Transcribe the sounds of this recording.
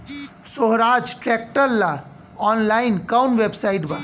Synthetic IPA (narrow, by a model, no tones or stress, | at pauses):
soɦɾad͡ʒʈɾɛk̚ʈəɾla | ɔnlainkawnʋebsaiʈba